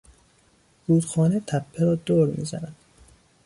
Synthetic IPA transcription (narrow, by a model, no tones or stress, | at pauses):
b̥uːd̪xɒːnet̪ʰæpʰːeɾɒːd̪oːɾmḭːzæ̰næd̪̥